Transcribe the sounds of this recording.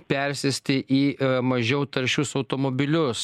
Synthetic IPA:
pʲɛɾʲsʲɪsʲt̪ʲɪʔiːmɐʒʲɛʊt̪ɐɾʲʃʲʊsɐʊt̪oːmoːbʲɪlʲʊs

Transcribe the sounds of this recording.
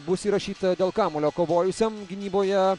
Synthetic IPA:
bʊsiːɾɐʃʲiːt̪ɐd̪ʲeːlˠkɑːmoːlʲoːkoːʋoːjʊsʲɛmɡʲɪnʲiːboːjɛ

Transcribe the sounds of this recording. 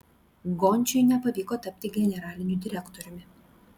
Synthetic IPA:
ɡɔnʲˑt͡ʃʲʊɪnʲɛpɐʋʲiːkoːt̪ɐpʲt̪ʲɪɡʲɛnʲɛɾɑːlʲɪnʲʊd̪ʲɪɾʲɛkt̪ɔɾʲʊmʲɪ

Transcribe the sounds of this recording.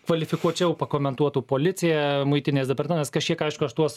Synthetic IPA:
kʋɐlʲɪfʲɪkuɔt͡ʃʲɛʊpɐkoːmʲɛnt̪uɔt̪uːpoːlʲɪt͡s̪ʲɪjæmʊɪt̪ʲɪnʲeːsd̪ʲɛpɐrt̪ʲmɛnɐːskɐʃʲkʲiɛkɐɪʃkʊɐʃt̪uɔs

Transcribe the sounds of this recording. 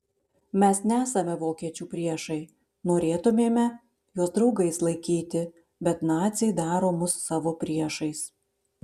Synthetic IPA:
mʲɛsnʲɛæːsɐmʲɛʋoːkʲiɛt͡ʃʲuːpʲɾʲiɛʃɐɪ | noːɾʲeːt̪ʊmʲeːmʲɛ | joːsd̪ɾɒʊɡɐɪslˠɐɪkʲiːt̪ʲɪ | bʲɛt̪nɑːt̪sʲeɪd̪ɑːɾoːmʊsːɑːʋoːpʲɾʲiɛʃɐɪs

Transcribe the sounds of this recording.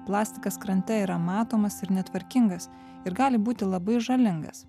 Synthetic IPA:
plˠɑːsʲt̪ʲɪkɐskɾɐnʲt̪ʲɛiɾɐmɑːt̪oːmɐsɪɾnʲɛt̪ʋɐɾʲkʲɪŋɡɐs | ɪɾɡɑːlʲɪbuːt̪ʲɪlˠɐbɐɪʒɐlʲɪŋɡɐ̰s

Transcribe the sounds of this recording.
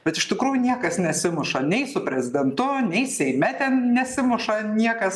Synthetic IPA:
b̥ʲɛt̪ɪʃt̪ʲɪkɾuːjʊnʲiɛkɐsnʲɛsʲɪmʊʃɐnʲɛɪsʊpʲɾʲɛzʲɪd̪ʲɛnt̪ʊnʲɛɪsʲɛɪmʲɛt̪ʲɛnnʲɛsʲɪmʊʃɐnʲiɛkɐs

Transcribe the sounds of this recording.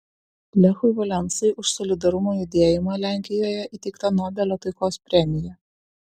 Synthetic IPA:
lʲɛxʊɪʋɔlʲɛnˑsɐɪʔʊʃsɔlʲɪd̪ɐɾʊmojʊd̪ʲeɛjɪmɑlʲæˑŋʲkʲɪjoːjɛʔiːt̪ʲɛɪkt̪ɐnɔːbʲɛlʲot̪ɐɪkoːspʲɾʲɛmʲɪjɛ

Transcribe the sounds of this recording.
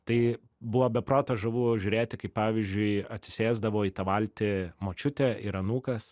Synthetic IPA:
t̪ɐɪ | bʊʋoːbʲɛpɾoːt̪oːʒɐʋuːʒʲʊːɾʲeːt̪ʲɪkɐɪppɑːʋʲiːzʲd͡ʒʲʊɪɐt̪ʲsʲɪ̥sʲeːzd̪ɐʋoːiːt̪ɐʋɐlʲt̪ʲɪmoːt͡ʃʲʊt̪ʲɛɪɾɐnuːkɐs

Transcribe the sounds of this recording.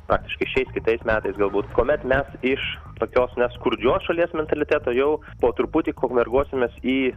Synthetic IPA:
pɾɑːk̚t̪ʲɪʃkɐɪʃʲɛɪskʲɪt̪ɐɪsmʲæːt̪ɐɪsɡɐlˠbuːt̪koːmʲɛt̪mʲɛsɪʃ | t̪oːkʲoːsnʲɛskʊɾʲd͡ʒʲoːsʃɐlʲiɛsmʲɛnt̪ɐlʲɪt̪ʲæːt̪oːjɛʊ | poːt̪ʊɾpʊt̪ʲiːkoːkmʲɛrɡuɔsʲɪmʲeːsiː

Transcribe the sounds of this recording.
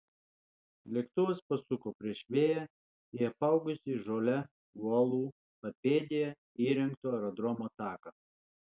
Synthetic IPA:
lʲɛkt̪ʊʋospɐsʊkoːpʲɾʲiɛʃʲʋʲeːjæ | ɪɐpɐˑʊɡʊsʲɪʒoːlʲɛ | uɔlˠuː | pɐpʲeːd̪ʲɪjɛ | iːɾʲɛŋkt̪oːɛɾɔd̪ɾɔmoːt̪ɑːkɐ

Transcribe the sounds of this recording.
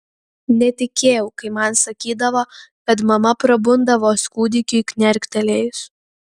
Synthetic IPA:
nʲɛt̪ʲɪkʲeːjɛʊkɐɪmɐnsɐkʲiːd̪ɐʋoːkɐt̪mɐmɐpɾɐbʊnd̪ɐʋoːskuːd̪ʲɪkʲʊkʲnʲɛɾʲkʲt̪ʲɛlʲeːjʊs

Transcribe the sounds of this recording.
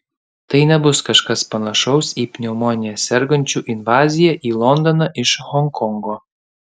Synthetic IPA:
t̪ɐɪnʲɛbʊskɐʃkɐspɐnɐʃɐʊsiːpʲnʲɛmɔːnʲɪjɛsʲɛɾɡɐnʲt͡ʃʲuːʔɪnʋɑːzʲɪjɛʔiːlˠɔnd̪ɔnɑʔɪʃɣɔŋkʰɔŋɡoː

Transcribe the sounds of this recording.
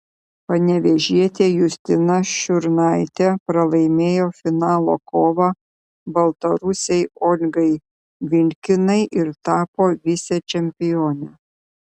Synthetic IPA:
pɐnʲɛʋʲɛʒʲiɛt̪ʲeːjʊsʲt̪ʲɪnɐʃʲʊɾnɐɪt̪ʲɛpɾɐlˠɐɪmʲeːjoːfʲɪnɑːlˠo̰ːkoːʋɐ | bɐlˠt̪ɐɾʊsʲɛɪɔːlʲɡɐɪ | ʋʲɪŋʲkʲɪnɐɪʔɪɾt̪ɑːpoːʋʲɪsʲɛt͡ʃʲɛmʲpʲɪjoːnʲɛ

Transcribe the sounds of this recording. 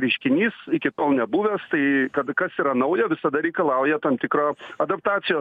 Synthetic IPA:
ɾʲɛɪʃʲkʲɪnʲiːsɪkʲɪt̪oːlˠnʲɛbuːʋʲɛːst̪ɐɪkɐt̪kɐsiːɾɐnɐʊjɛʋʲɪsɐd̪ɐɾʲɛɪkɐlˠɑʊjɛt̪ɐmt̪ʲɪkɾoːɐd̪ɐp̚t̪ɑːt̪sʲɪjoː

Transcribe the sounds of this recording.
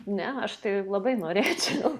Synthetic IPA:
nʲɛɐʃt̪ɐɪlˠɐbɐɪnoːɾʲeːt͡ʃʲɛʊ

